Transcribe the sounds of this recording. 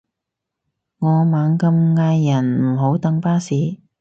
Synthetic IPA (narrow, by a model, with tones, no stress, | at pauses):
ŋɔː˨˧maː˨˥ŋkɐ˧mŋaː˧jːɐ˨˩nm̩˨˩ɦo˨˥wt̪ɐ˨˥ŋpaː˥siː˨˥